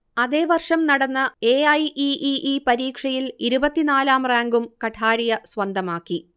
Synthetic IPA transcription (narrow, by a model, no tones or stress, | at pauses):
ɐðe̞ːʋɐrʂɐmnɐɽɐnːɐe̞ːɐjʔiʔiʔipɐɾiːkʂɐjiliɾubɐt̪ːinaːlaːmraːŋɡumkɐʈʰaːɾijɐsʋɐnd̪ʱɐmaːkːi